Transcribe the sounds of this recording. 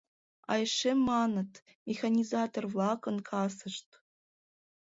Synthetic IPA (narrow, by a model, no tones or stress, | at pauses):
ɑ̰jʂemːɑnɤ̆t̪ | mʲexanʲizɑt̪orvlˠɑkɤ̆nkʰɑsɤ̆ʂt̪̚